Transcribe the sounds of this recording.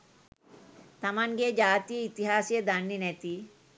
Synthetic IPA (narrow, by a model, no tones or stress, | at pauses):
t̪ɐmaŋɡed͡ʒaːt̪ijɐit̪iɦaːsijɐd̪ɐnːinet̪i